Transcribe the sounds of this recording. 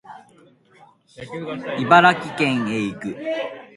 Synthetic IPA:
ibaɾakʲikẽ̞ɰ̃eːikɯ̟

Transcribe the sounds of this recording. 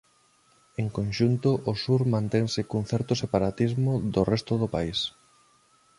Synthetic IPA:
eŋkõnʃunt̪ʊʔosuɾmãnt̪eŋsɪkuŋθɛɾt̪ʊsepaɾat̪izmʊðorɛst̪ʊðʊpais

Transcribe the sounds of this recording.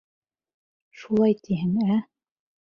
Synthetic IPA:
ʃulˠɑjt̪ʰiɦɘŋæ

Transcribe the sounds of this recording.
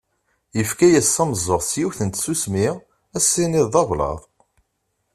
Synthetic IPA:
jəfkæjæsːɑmzˤːəʁsjuθənt̪susmɪʁ | æsːiniðˤɑvlɑ̰ðˤ

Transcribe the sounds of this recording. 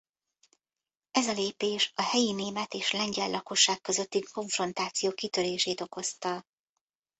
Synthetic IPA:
ɛzɒleːpeːʃɒhɛjineːmɛt̪eːʃlɛɲɟɛllʔɒko̞ʃːaːkːø̞zø̞t̪ːiŋko̞ɱfro̞nt̪aːt̪sijoːkit̪øɾeːʃeːt̪o̞ko̞st̪ɒ

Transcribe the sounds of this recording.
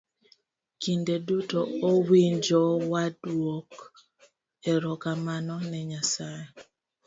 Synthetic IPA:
kindedutoowiɲd͡ʒɔwadwok | ɛɾɔkamanɔnɛɲasaje

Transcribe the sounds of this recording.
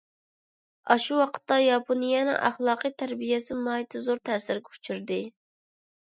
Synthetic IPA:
ɑʃuwɑqʰə̥t̪ːɑjɑpʰonijɛnɨ̰ŋʔæ̰χlˠɑːqɨjt̪ʰæɾbijɛsɪmlˠɑːjit̪ʰɪzoɾt̪ʰɛːsɪɾkʲʰu̥t͡ʃʰyɾd̪ɪ

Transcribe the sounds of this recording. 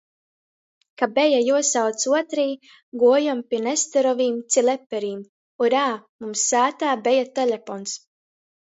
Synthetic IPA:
kabɛjajuɔsawt̪suɔt̪ɾiː | ɡuɔjampʲiɛnɛst̪ɛɾɔviːmt̪silɛpːɛɾiːm | uɾaːmumsːaːt̪aːbɛjat̪ɛlʲefɔns

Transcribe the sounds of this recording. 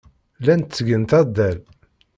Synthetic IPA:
lænt̪t͡sːəɡənt̪æd̪æl

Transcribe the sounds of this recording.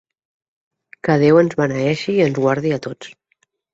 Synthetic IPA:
kəðewənzβanəɛʃiːənzɣwaɾðiət̪ot͡s

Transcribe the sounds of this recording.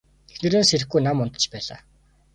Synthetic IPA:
t̪ʰexnĕɾɘ̆nseɾɘ̆xɡujnamʊnt̪ə̆t͡ɕpæːɮa̰ː

